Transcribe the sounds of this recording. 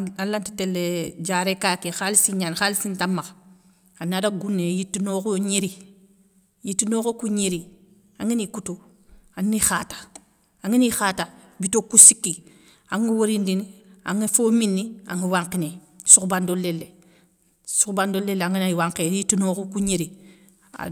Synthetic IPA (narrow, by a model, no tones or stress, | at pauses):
alanti̥telːed͡ʒaːɾekakexalisiɲanxalisintamːax | anːadaɡunːejitːinoːkoɲiɾi | jitːinoːkokuɲiɾi | aŋinikuto | annixaːtḁ | aŋinixaːtabitokusikːi | aŋiwoɾindinia̰ŋefominːia̰ŋiwaŋkine | sukbandolelːe | sukbandolelːeaŋinawaŋkejitːinoːkokuɲeɾi | a̰